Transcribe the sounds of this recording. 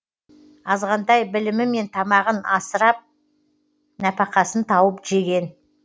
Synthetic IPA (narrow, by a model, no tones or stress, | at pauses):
ɑzʁɑnd̪ɑjbɪlɪmɪme̞nt̪ʰɑmɑʁənɑsəɾɑp̚ | næpɑqɑsənt̪ʰɑwəpʒe̞ɡʲe̞n